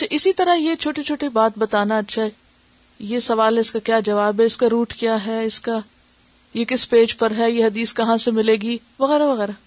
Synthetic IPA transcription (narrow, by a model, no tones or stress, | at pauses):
ɐtːʃʰaʔɪsit̪ɐɾajet͡ʃʰoːʈet͡ʃʰoːʈebaːt̪̚bɐt̪aːnaɐtːʃʰaɦɛ | jesɐʋaːlɦɛɪskakjaːd͡ʒɐʋaːbɦɛɪskaɾuːʈkjaːɦɛɪska | jekɪspeːd͡ʒpɐɾɦɛjeɦɐd̪iːskɐɦãsemɪleːɡiː | ʋɐɣɛːɾaʋɐɣɛːɾa